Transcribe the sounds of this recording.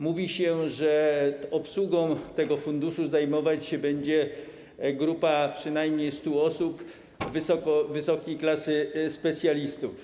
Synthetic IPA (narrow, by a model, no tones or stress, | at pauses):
muvʲiɕɛʐɛɔpswuɡɔ̃w̃t̪ɛɡɔfund̪uʂuzajmɔvat͡ɕɕɛbɛɲd͡ʑɛ | ɡɾupapʂɘnajmɲejst̪uɔsup | vɘsɔkɔvɘsɔkʲejklasɘspɛt̪sʲjalʲist̪uf